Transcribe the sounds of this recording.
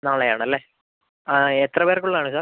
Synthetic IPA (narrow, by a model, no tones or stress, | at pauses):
naːɭejaːɳɨɐlːeː | et̪rɐpeɾrkːuɭːɐaːɳɨsaː